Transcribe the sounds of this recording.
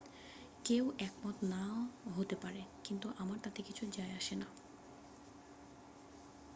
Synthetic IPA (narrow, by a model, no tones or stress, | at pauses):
kewʔɛkmɔt̪onaɦot̪epaɾekint̪uʔamaɾt̪at̪ekit͡ɕʰud͡ʑaeaʃena